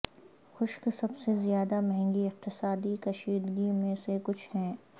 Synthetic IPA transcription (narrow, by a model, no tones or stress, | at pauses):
xʊʃksɐbsezijaːd̪amɛɦɛ̃ŋɡiɪq̚t̪ɪsaːd̪ikɐʃiːd̪ɡimẽsekʊt͡ʃʰhɛ̃ː